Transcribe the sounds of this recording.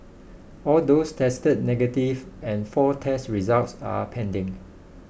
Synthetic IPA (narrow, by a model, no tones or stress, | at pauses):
ɔldostʰɛstəd̚nɛɡətivɛ̃nfɔtʰɛstɹizaltsa̰pʰɛ̃ndɪ̃ŋ